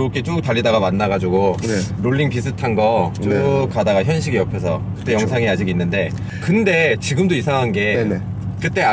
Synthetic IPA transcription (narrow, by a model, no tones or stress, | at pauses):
ok͈et͡ɕ͈otaʎːidaɣamanːaɣad͡ʑuɡonɾoɭːiŋpisʰɯtʰanɡʌt͡ɕokadaɡaçjʌnɕʰiɡiʌpʰjʌsʰʌ̰kkɯ̥t͈ːe̞jʌŋsʰaŋiad͡ʑiɡinːɯnde̞ | kɯnde̞t͡ɕiɡɯmdoisʰaŋɦanɡe̞ | kɯt͈e̞a